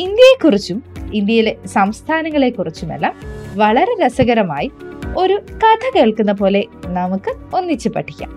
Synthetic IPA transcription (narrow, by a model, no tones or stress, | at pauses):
ind̪jɐjekːurit͡ɕːumind̪jɐjile̞sɐmst̪ʰaːnɐŋːɐɭe̞kːurit͡ɕːumḛlːamʋɐɭɐɾe̞lɐsɐɣɐɾɐmaːjio̞ɾukɐt̪ʰɐkeːɭkunːɐp̬o̞ːle̞nɐmukːɨo̞nːit͡ɕːupːɐ̰ʈʰːi̥kʲːa̰ːm